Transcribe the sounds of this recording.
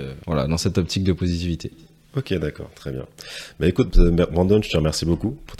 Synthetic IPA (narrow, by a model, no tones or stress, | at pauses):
vwala̰d̪ɑ̃sɛt̪ɔp̚t̪ʰik̚d̪əpozit̪ivit̪ʰe | okʲed̪akɔ̰ːʁt̪χɛbjɛ̰̃baekut̪̚mɛmɑ̃d̪ɔnʒə̥t̪əʁmɛʁsibokupuʁt̪